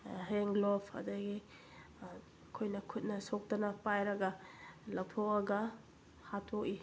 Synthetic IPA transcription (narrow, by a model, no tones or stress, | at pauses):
ɦeŋɡlopʰɐ̰dɐɡi | kʰojnɐkʰut̚nɐsok̚dɐnɐpajɾɐɡɐlɐw̚tʰokɐɡɐ | hatʰoki